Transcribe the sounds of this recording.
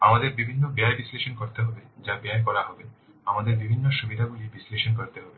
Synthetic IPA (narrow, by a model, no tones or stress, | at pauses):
amad̪eɾbibʱinːobeaebisleʃonkoɾt̪eɦɔbed͡ʑabeaek̬ɔɾaɦɔbe | amad̪eɾbibʱinːoʃubid̪ʱaɡulibisleʃonkoɾt̪eɦɔbe